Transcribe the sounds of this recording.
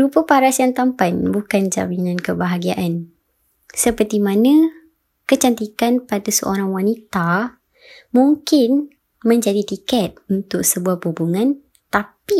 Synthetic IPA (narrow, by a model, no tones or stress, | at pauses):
ɾupəpaɾasjaŋt̪ampanbukand͡ʒa̰minãnkəbaɦaɡiaʔan | səpərt̪imãnã | kət͡ʃant̪ikanpadasəʔoɾaŋwanit̪a | muŋkɪn | mə̃ɲd͡ʒadit̪ikɛt̪̚unt̪ʊk̚səbuahpubuŋãn | t̪api